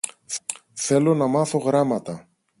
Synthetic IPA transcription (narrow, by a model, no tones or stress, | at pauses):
θe̞lo̞nɐmɐθo̞ɣɾɐmɐt̪ɐ